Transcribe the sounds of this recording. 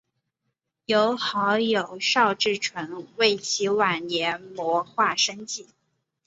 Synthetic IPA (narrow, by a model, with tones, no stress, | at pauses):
jo˧˥ʊxɑ˧˥ʊjo˨˩ʊʂɑ˥˧ʊʈ͡ʂɻ̩˥˩ʈ͡ʂʰwə˧˥nwe˥˩ɪt͡ɕʰi˧˥wa˨˩nnjɛ˧˥nmwɔ˧˥xwa˥˩ʂə˥ŋt͡ɕi˥˩